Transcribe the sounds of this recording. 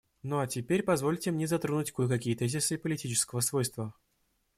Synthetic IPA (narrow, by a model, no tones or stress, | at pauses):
noatʲɪpʲeɾʲpɐzvolʲtʲɪmnʲeɛzɐt̪ɾonʊutʲkujkɐkʲijət̪ɛzʲɪsɨipəlʲɪtʲit͡ɕɪ̥skəvəsvojst̪və